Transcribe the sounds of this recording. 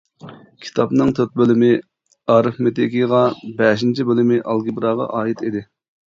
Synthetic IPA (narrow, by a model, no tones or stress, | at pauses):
kʲʰi̥t̪ʰɑpnɨŋt̪ʰøt̪̚bølɪmɪ | ɑːɾɨfmet̪ʰekʲiʁɑbɛʃint͡ʃʰibølɪmɪʔɑlˠɡʲibɾɑːʁɑ̰ʔɑːjit̪id̪ɪ